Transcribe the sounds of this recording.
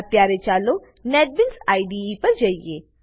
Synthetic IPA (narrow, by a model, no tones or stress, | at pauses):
pjaːɾet͡ʃaːlo | nɛːɖ̚bɪnsaːiɖiipɐɾd͡ʒaieː